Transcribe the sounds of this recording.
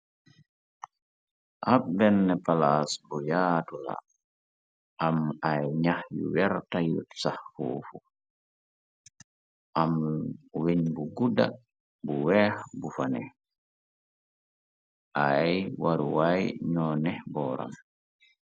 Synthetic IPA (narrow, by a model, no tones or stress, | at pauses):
ʔabɛnːɛpalasbɔjaːtula̰ | ʔamajɲahjṵwɛɾtajutsahfṵːfu | ʔamwiɲbuɡuda | buwɛhbufanɛ | ʔajwaɾuwajɲɔːnɛbɔːɾa̰m